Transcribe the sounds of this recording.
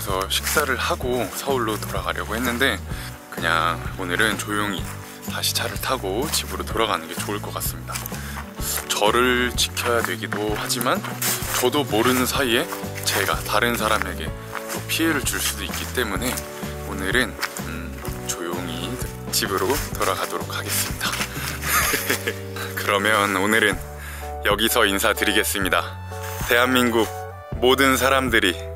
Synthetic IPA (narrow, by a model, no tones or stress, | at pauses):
sʰʌɕʰi̥k̚s͈aɾɯɭhaɡosʰʌuɭːotoɾaɡaɾjʌɡohe̞nːɯnde̞ | kɯɲa̰ŋonɯɾɯnt͡ɕojoŋḭ | taɕʰi̥t͡ɕʰaɾɯɭtʰaɡot͡ɕibɯɾotoɾaɡanɯnɡe̞t͡ɕoɯɭk͈ʌk͈as͈ɯmɲida | t͡ɕʌɾɯɭt͡ɕi̥kʰjʌjadwe̞ɡidohad͡ʑimant͡ɕʌdomoɾɯnɯnsʰaie̞ | t͡ɕe̞ɡa̰taɾɯnsʰaɾame̞ɡe̞̰ | topʰie̞ɾɯɭt͡ɕuɭs͈udoik͈it͈e̞mune̞ | onɯɾɯn | t͡ɕojoŋi | t͡ɕibɯɾotʌɾaɡadoɾok̚ʰhaɡe̞s͈ɯmɲida | kɯɾʌmjʌnonɯɾɯn | jʌɡisʰʌinsʰatɯɾiɡe̞s͈ɯmɲida | te̞ɦanminɡuɡ̚ | modɯns̬ʰaɾamdɯɾi